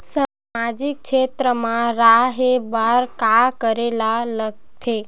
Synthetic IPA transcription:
sa | mad͡ʒik̚ʃet̪ɾəmãɾaɦebaɾkakəɾelalək̚t̪ʰe

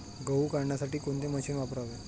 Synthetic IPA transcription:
ɡəʋukaɽɳjasaʈiːkoɳt̪eməɕiːnʋapɾaʋe

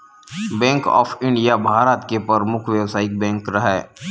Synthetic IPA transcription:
bɛ̃ːŋkɔ̰ːpʰɪ̃ɳɖijabʱaːɾət̪kepəɾmʊkʰʋjɐʋsaːɪk̚bɛ̃ːŋkɾɐɦɛː

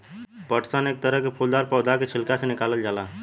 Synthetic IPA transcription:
pəʈsənek̚t̪əɾəɦkepʰuld̪aɾpəwd̪aket͡ʃʰilkasenikaləld͡ʒala

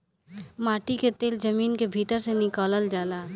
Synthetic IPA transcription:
maːʈiket̪eːld͡ʒəmiːnkebʱiːt̪əɾsenɪkaːləld͡ʒaːlaː

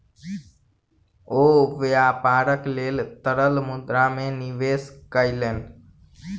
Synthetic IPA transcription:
oʋeapaːɾəklelt̪əɾəlmud̪ɾameniʋeskəɪleːn

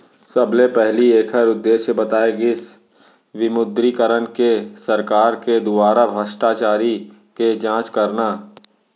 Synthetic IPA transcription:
sɐblepɛɦlieːkʰəɾʊd̪ːeːʃjəbɐt̪aːeɡɪs | ʋɪmʊd̪ɾikəɾənkesɐɾkaːɾked̪ʊbaːɾabʱəʃʈaːt͡ʃaːɾi | ked͡ʒãːt͡ʃkɐɾnaː

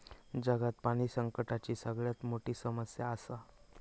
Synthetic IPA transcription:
d͡ʑəɡat̪paɽ̃iːsəŋkəʈat͡ɕiːsəɡɭjat̪moʈiːsəməsjaːsa

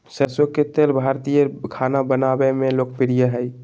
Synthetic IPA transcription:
səɾsoket̪elbʱaɾt̪ijəkʰanabənabemẽlok̚piɾijəɦəj

